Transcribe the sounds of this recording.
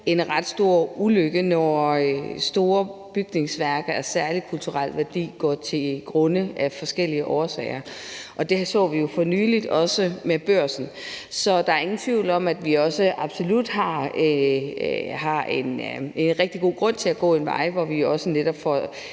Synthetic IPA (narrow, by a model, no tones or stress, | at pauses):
e̝nʁɑ̈d̥sd̥o̝ɐ̰uløɡ̥ənɒ | sd̥o̝ːɐb̥yɡ̥ne̝ŋsʋæɐɡ̥ɐæɐsæɐli̥kʰult͡sʰuʁɑl̰ʋæɐd̥ḭːɡ̥ɒ̰ːt͡sʰe̝ɡ̥ʁɔ̽nəʔæfɒ̽sɡ̥el̰iəʔɒːsɛ̰ːɪɐʔɒ̽d̥e̝sɔ̰̽ːʋijo̝fɒ̽nyːlid̥ɒ̽səmeb̥ɶɐ̰sn̩ | sɒ̽d̥ɑ̈æɐe̝ŋn̩t͡sʰʋiʊ̰lɒ̽mæd̥ʋiɒ̽səʔɑ̈b̥so̝lud̥ɦɑ̈e | hɑ̈ene̝nʁɛɡ̥̚d̥iɡ̥o̝̰ːɡ̥ʁɔ̽n̰t͡sʰe̝læɡ̥ɔ̰̽ːe̝nʋɑ̈ɪʋɒʋijoɒ̽səned̥ɒb̥fɒ